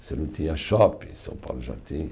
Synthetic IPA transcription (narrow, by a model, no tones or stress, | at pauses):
selut̪iaʃɔpisõ̰pa̰lʒa̰t̪i